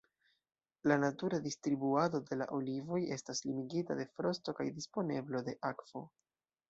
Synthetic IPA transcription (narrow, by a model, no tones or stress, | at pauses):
lanatuɾadistɾibuado̞de̞la̰ʔo̞livo̞je̞staslimiɡitade̞fɾo̞sto̞ka̰jdispo̞ne̞blo̞de̞ʔakv̥o̞̰